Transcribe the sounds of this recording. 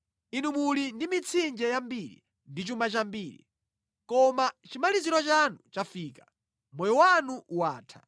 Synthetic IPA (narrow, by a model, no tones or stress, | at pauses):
inumulindimit͡sʰind͡ʒɛjambiɾḭ | ndit͡ʃumat͡ʃambiːɾḭ | kɔmat͡ʃimaliziɾɔt͡ʃanut͡ʃafiːkḁ | mɔjɔwanuʔuwaːtʰḁ